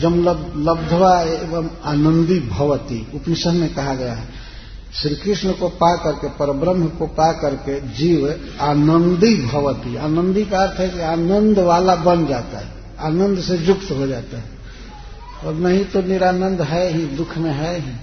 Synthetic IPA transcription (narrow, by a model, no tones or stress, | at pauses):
d͡ʒəmlələbd̪ʱəʋaebəmaːnə̃nd̪ibʱəʋt̪ḭʊpnɪsənmẽkɐɦaɡəja̰ɦɛ | sɾikɾɪsnəkopakəɾkepəɾəbɾəmkopakəɾked͡ʒiʋ | anənd̪ibʱəʋət̪iaːnənd̪ikaəɾt̪ʰɦɛkiaːnənd̪ʱʋaːlabənd͡ʒat̪a̰ɦɛ | aːnə̃nd̪ʱsed͡ʒʊkt̪ɦod͡ʒaːt̪aɦɛ | ɔːɾnəɦĩt̪oniɾanə̃nd̪ɦɛɦĩd̪ʊkʰmẽɦɛɦĩ